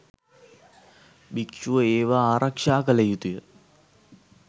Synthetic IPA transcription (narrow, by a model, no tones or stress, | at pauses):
bikʃuʋəeːʋaaːɾɐkʂaːkəlejut̪ujə